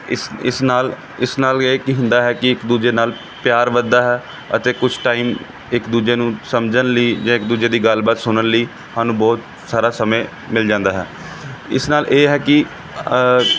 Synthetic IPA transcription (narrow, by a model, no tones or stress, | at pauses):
ɪɪ̰snaːl | ɪsnaːleːkiɦʊ̃nd̪aːɦɛːkɪɪkd̪uːd͡ʒeːnaːl | pjaːɾʋəd̪ːaːɦɛː | ə̰t̪eːkʊt͡ʃʰʈaːiːm | ɪkd̪uːd͡ʒeːnũːsəmd͡ʒənləiːd͡ʒãːɪk̚d̪uːd͡ʒeːd̪iːɡəlbaːt̪sʊnənləiː | haːnũːbɔːt̪ | saːɾaːsəmẽː | mɪld͡ʒãːnd̪aːɦɛ̰ː | ɪ̰snaːlʔeːɦɛːkɪ